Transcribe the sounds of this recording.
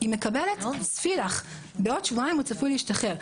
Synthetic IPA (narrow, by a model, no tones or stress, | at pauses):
iməkabɛlɛtsfiɾaχ | bɪɔtʃvuaɪmut͡safuliʃtaχɛɾ